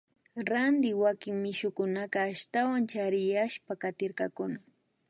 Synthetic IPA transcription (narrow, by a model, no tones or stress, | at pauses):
ɾand̪ɪwakɪŋmɪʃʊkʊnaqɑːʃt̪awant͡ʃaɾɪjaʃpakat̪ɪɾkɑkʊna